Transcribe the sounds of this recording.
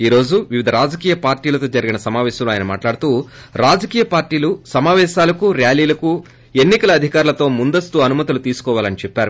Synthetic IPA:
iːɾo̞ːd͡ʒuʋiʋid̪ʱɐɾaːd͡ʒɐkiːjɐpaːɾʈiːlɐt̪o̞ːd͡ʒɐɾiɡinɐsɐmaːʋɛːʃɐmloaːjɐnɐma̰ːʈlaːɽut̪uː | ɾaːd͡ʒɐkiːjɐpaːɾʈiːlusɐmaːʋɛːʃaːlɐkuɾjaːliːlɐku | e̞nːikɐlɐːd̪ʱikaːɾulɐt̪o̞ːmund̪ɐst̪uɐnumɐt̪ulut̪iːsu̥kɔːʋaːlɐnit͡ʃɛpːaːɾu

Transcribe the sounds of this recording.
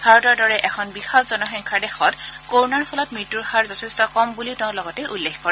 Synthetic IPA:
ɡʱaɹɔtaɹdɔɹɛʔɛkʰɔnbixalzɔnɔxiŋkʰadexɔtkoɹnaɹpʰɔlɔt̚mɹitːuɹxaɹzɔtʰestɔkɔmbulitʊ̃ʊ̃lɔɡɔtɛʔulːexkɔɹɛ

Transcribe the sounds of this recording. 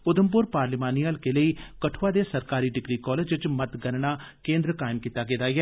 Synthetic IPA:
ʊd̪əmp̬ʊɾpaːɾlɪmaːniːəlkeːləiːkəʈʰːʋaːd̪eːsəɾkaːɾiːɖɪɡɾiːkɔːleːd͡ʒʋɪt͡ʃmət̪ɡəɾnaː | kẽːnd̪ɾəkaːɪmkiːt̪aːɡeːd̪aːɪɛː

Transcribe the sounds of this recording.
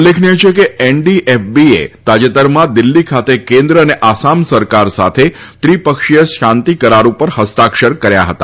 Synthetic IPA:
lekʰniet͡ʃʰekeɛɳɖiʔɛfbiḛt̪ad͡ʒet̪əɾmãd̪ɪlːikʰat̪ekẽnd̪ɾəːneʔasamsəɾkaɾsa̰t̪ʰet̪ɾipəkʃijəʃant̪ikəɾaɾũpəɾhəst̪akʃəɾkəɾja̰ɦət̪a̰

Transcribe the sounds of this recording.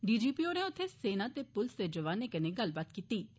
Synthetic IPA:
ɖiːd͡ʒiːpiːoːneːʊt̪ʰːeːseːnãːt̪eːpʊlsd̪eːd͡ʒəʋaːnːeːkəneːɡəlbaːt̪kiːt̪iː

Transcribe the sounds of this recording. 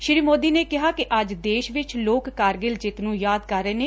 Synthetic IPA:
ʃɾiːmoːd̪iːneːkɪɦaːkɪʔəd͡ʒd̪eːʃʋɪt͡ʃloːkːaːɾɡɪld͡ʒɪt̪nũːjaːd̪kəɾːeːneː

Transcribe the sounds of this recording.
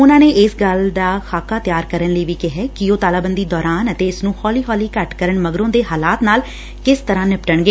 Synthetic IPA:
ʊnãːneːʔɪsɡəld̪aːxʰaːkaːt̪jaːɾkəɾənləiːʋiːkɪɦɛːkɪoːt̪aːlaːbənd̪iːd̪ɔːɾaːnət̪eːɪsnũːhɔːliːɦɔːliːkəʈkəɾəɳməɡɾõːd̪eːɦaːlaːt̪naːl | kɪst̪əɾãːnɪpʈəɳɡeː

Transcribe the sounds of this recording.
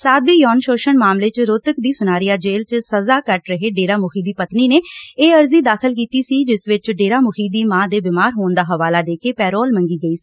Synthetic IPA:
saːd̪biːjɔːnʃoːʃənmaːmleːt͡ʃɾot̪əkd̪iːsʊnaːɾijaːd͡ʒeːlt͡ʃsəzaːkəʈɾəɦeːɖeːɾaːmʊkʰiːd̪iːpət̪niːneːeːəɾziːd̪aːkʰəlk̬iːt̪iːsiːd͡ʒɪsʋɪt͡ʃɖeːɾaːmʊkʰiːd̪iːmãːd̪eːbɪmaːɾɦoːnd̪aːɦəʋaːlaːd̪eːkeːpɛːɾoːlmə̃ŋɡiːɡəiːsi̥ː

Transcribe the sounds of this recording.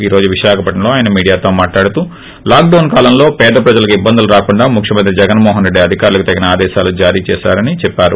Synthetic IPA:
iːɾo̞ːd͡ʒuʋiʃaːkʰɐpɐʈːɐmlo̞ːaːjɐnɐmiːɽijaːt̪o̞ːmaːʈlaːɽut̪uː | laːk̚ɖɐwnkaːlɐmlo̞ːpɛːd̪ɐpɾɐd͡ʒɐlɐkibːɐnd̪uluɾaːkuɳɖaːmukʰjɐmɐnt̪ɾid͡ʒɛɡɐnmɔːɦɐnɾeɖːiɐd̪ʱikaːɾulɐkut̪ɐɡinɐaːd̪ɛːʃaːlud͡ʒaːɾiːt͡ʃɛːʃa̰ːɾɐnit͡ʃɛpːaːɾu

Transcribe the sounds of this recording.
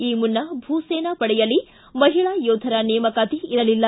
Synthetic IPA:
iːmunːɐbʱuːseːnɐpɐɽɛjɐlːi | mɐɦiɭaːjoːd̪ʱɐɾɐnɛːmɐkaːt̪iiɾɐlilːɐ

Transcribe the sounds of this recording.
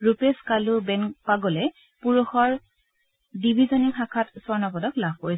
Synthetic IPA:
ɹupeskalubɛnkpaɡɔlɛ | puɹɔxɔɹ | dibʱizɔnixakʰatsɔɹnɔpɔdɔklabʱkoɹis

